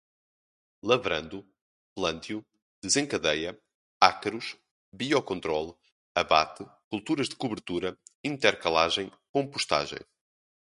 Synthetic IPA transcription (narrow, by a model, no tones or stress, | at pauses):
lˠɐvɾɐ̃nd̪u | plˠɐ̃nt̪ju | d̪̥ɨzẽŋkɐðɛjɐ | akɾuʃ | βiɔkõnt̪ɾɔlˠ | ɐβa̰t̪ɨkulˠt̪uɾɐʒðɨkuβɨɾt̪uɾɐĩnt̪ɛɾkɐlˠaʒẽj̃kõmpuʃt̪a̰ʒḛ̃j̃